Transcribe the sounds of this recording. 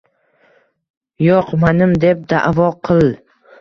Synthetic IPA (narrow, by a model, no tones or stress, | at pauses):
joqmanɪmd̪e̞p̚d̪a̰ʔvɒqʰɨlˠ